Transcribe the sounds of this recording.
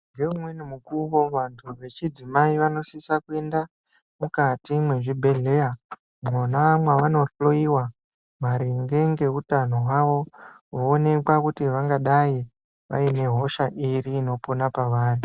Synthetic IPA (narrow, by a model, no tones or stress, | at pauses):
ŋɡeumwenimukuʋo̞ʋantʰuʋe̞t͡ʃid͡zimaiʋano̞sisakue̞nda | mukatimwe̞ʐibʱe̞ɮe̞ja | monamwaʋano̞ɬloiwa | maɾiŋɡe̞ŋɡe̞utano̞ɦwaʋo̞woːne̞kwakutiʋaŋɡaɗai | ʋa̰ine̞ɦo̞ʃaʔiɾiːno̞ponapaʋaːri